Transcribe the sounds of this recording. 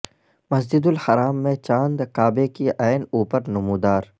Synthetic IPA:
mɐsd͡ʒɪd̪ʊlhɐɾaːmːẽt͡ʃãːnd̪kaːbekiʔɛːnuːpəɾnʊmuːd̪aːɾ

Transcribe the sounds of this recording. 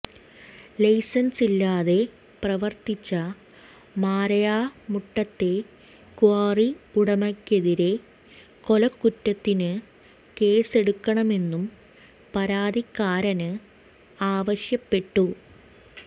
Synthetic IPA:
lɐjsɐnsilːaːðe̞ | prɐʋɐrt̪it͡ɕːɐ | maːrɐjaːmuʈːɐt̪ːe̞ | kuaːriuɽɐmɐkʲːeðiɾe̞ | ko̞lɐkːutːɐt̪ːinɨ | ke̞ːse̞ɽukːɐɳɐme̞nːum | pɐɾaːd̪ikːaːɾɐnɨ | aːʋɐɕjɐpːe̞ʈːu

